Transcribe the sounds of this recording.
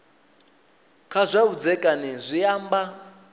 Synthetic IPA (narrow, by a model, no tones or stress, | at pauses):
kʰazʷaud͡zɛkʼanizʷijaːmba